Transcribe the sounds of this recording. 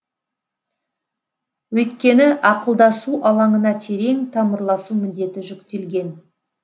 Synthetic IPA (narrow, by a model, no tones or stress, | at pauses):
wɵjt̪kʲe̞nɪʔɑqəlˠd̪ɑsuʔɑlˠɑɴənɑt̪ʰe̞ɾe̞ŋt̪ʰɑməɾlˠɑsumɪnd̪e̞t̪ɪʒʏkt̪e̞lɡʲe̞n